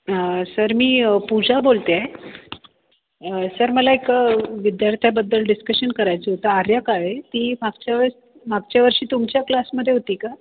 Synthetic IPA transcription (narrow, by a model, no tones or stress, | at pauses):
səɾmiːpud͡zʱabolt̪eae | əsəɾməlaekaʋid̪jaɾt̪ʰjabəd̪ːəlɖiskəɕənkəɾajt͡set̪əaɾjakaɦet̪iːmaɡt͡ɕjaʋə | maɡ̚t͡ɕjaʋəɾɕiːt̪umt͡ɕjaklasməd̪ʱːjeɦot̪iːka